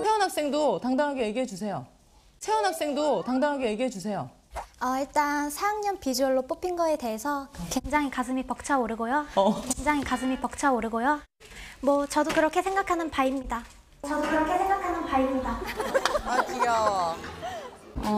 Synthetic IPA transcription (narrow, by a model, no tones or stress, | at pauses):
sʰeʌnɦak̚s͈e̞ŋdotaŋdaŋɦaɡeje̞ɡiɦed͡ʑusʰe̞jo | sʰe̞ʌnɦak̚s͈e̞ŋdotaŋdaŋɦaɡeje̞ɡiɦed͡ʑusʰe̞jo | ʌiɭt͈ansʰaŋɲʌnpid͡ʑuʌɭːop͈opʰinɡʌe̞te̞ɦesʰʌkweŋd͡ʑaŋikas̬ʰɯmipʌk̚t͡ɕʰaoɾɯɡojokweŋd͡ʑaŋɦikasʰɯmipʌk̚t͡ɕʰaoɾɯɡojo | mwʌt͡ɕʌdokɯɾʌkʰe̞sʰe̞ŋɡakʰanɯnpaimɲida | t͡ɕʌdokɯɾʌkʰe̞sʰeŋɡakʰanɯnpaɾimɲida | at͡ɕiʌ